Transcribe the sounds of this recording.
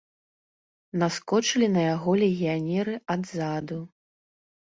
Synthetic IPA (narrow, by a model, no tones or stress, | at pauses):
naskɔt͡ʂɨlʲinɐjaɣɔlʲɛɣʲijanʲɛɾɨad̪zad̪u